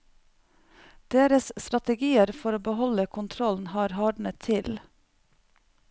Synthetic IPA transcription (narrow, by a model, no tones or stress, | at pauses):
d̪̥eːɾəsst̪ɾɑt̪əɡiːəɾfɔɾoːbəhɔləkʰʊnt̪ʰɾɔln̩hɑːɾhɑːɖɳət̪ʰɪl